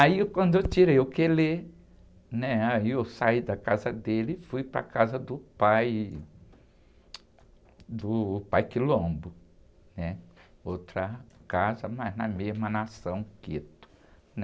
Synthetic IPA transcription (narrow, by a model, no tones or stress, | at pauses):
aikwɐ̃nd̪ʊewt͡ʃiɾejʊkele | nɛaiewsaid̪ɐkazɐd̪elɪfujpɾɐ̰kazɐd̪ʊpaj | d̪ʊpajkɪlõbʊ | nɛ | owt̪ɾɐkazɐmajznɐmezmɐnasɐ̃w̃ket̪ʊ̥ | nɛ